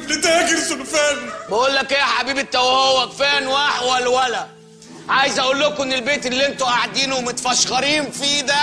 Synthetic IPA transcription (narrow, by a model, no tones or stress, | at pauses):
let̪ææɡɪɾsʊlfæːnbæʔuːlːækʔeːħabiːbet̪ːæwæhowːæfæːnwaħwælwælæ | ʕaːjɪzʔæʔuːlːʊkʊʔenːelbeːt̪elːiʔent̪oʔaʕad̪iːnʊmʊt̪fæʃɣɑɾiːnfid̪æ